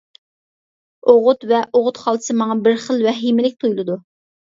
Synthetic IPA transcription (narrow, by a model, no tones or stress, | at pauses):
oʁʊt̪vɛʔoʁʊt̪χɑlˠsɨmɑŋɑbɪɾχəlˠvɛɦimɪlɪk̚ʲt̪ʰujlˠɨd̪u